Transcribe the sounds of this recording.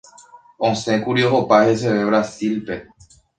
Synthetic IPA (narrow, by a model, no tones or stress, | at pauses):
õsẽ̞kuɾioɦopahe̞s̬e̞ʋe̞βɾasilpe̞